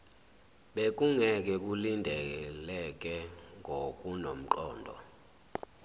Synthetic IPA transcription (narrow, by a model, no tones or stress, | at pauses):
ɓek̬ʼuŋɛk̬ʼɛk̬ʼulindʱɛɛlɛk̬ʼɛŋɡʱokʼunom̩ǃɔːndʱɔ̰